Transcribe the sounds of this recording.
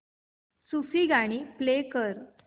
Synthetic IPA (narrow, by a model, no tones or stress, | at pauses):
sufiɡaɽ̃iːplekəɾ